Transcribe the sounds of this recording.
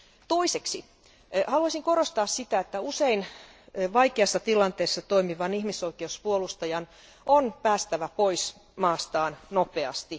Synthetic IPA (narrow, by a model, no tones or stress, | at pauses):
t̪oiseksi | hɑluɑsiŋkoɾost̪ɑːssit̪æet̪ːæusein | ʋɑjkeɑsːɑt̪ilɑnt̪eːsːɑt̪oimiʋɑnihmisoikeuspuolust̪ɑjɑn | ʔonpæːst̪æʋæpois | mɑːst̪ɑːnnopeɑ̰st̪i